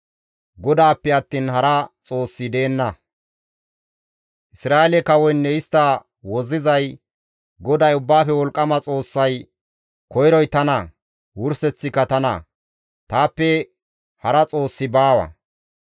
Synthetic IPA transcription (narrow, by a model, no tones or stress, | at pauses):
ɡɔd̪aːpːɛɐt̪ːiːnhɐɾɐt͡sʼo̞ːsːɪd̪e̞ːnːɐ | ʔɪsɾaːelɛkɐwɔjnːɛɪst̪ːɐ | wɔzɪzɐj | ɡɔd̪ɐjʊbːaːfɛwɔlkʼːɐmɐt͡sʼo̞ːsːɐj | kɔjɾɔjt̪ɐnɐ | wʊɾsɛt͡sːɪkːɐt̪ɐnɐ̰ | t̪aːpːɛ | hɐɾɐt͡sʼo̞ːsːɪbaːwɐ̰